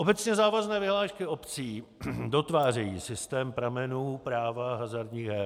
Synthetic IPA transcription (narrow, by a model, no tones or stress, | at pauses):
ʔobɛt͡sɲɛzaːvaznɛːvɪɦlaːʃkɪo̞pt͡siːdo̞t̪vaːr̝ɛjḭːsɪst̪ɛːmpɾamɛnuːpɾaːvaɦazaɾdɲiːɣɦɛː